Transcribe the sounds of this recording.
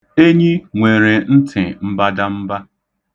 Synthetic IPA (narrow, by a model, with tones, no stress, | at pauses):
e˦ɲi˦ŋʷe˨ɾe˨n̩˦tʰɪ˨m̩˦ba˦da˦m̩˦ba˦